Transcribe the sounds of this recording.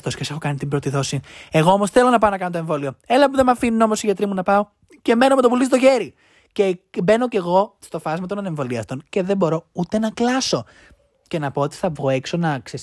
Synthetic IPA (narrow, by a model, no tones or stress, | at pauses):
t̪oscese̞xo̞kɐnit̪ibɾot̪iðo̞sie̞ɣo̞omo̞sθelo̞nɐpɐonɐkɐnot̪oe̞ɱvo̞lio̞elɐpuðemɐfinuno̞mo̞siʝɐt̪ɾimunɐpɐo | ce̞me̞no̞met̪opulis̬ot̪o̞çe̞ɾi | cebe̞no̞ce̞ɣo̞st̪o̞fɐzmɐt̪onɐne̞ɱvo̞liɐst̪o̞nce̞ðembo̞ɾo̞ut̪e̞nɐklɐso̞ | ce̞nɐpo̞ot̪i̥θɐvɣoekso̞nɐkses